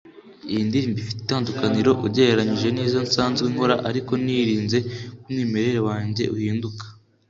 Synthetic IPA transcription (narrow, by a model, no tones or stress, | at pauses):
iindiɾiːmbifi̥ti̥taːndukaniɾo̞ʔuɟe̞ɾeɾaɲiʒe̞neːzansaːnzɡiːŋho̞ɾaʔaɾiko̞niːɾiːnze̞kumniːme̞ɾe̞ɾewaːɲɟe̞̰ʔuhiːndukḁ